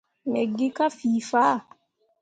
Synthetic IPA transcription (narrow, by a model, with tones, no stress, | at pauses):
me˨ɡi˦ka˦fiː˨fa˦˨